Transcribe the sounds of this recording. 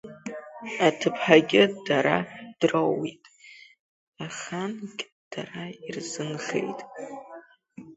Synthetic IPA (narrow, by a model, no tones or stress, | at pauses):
atʰɨpʰħaɡʲɪdaɾad̥rowitʼ | aχankʲʼ | d̥arairzɨnχḛjtʼ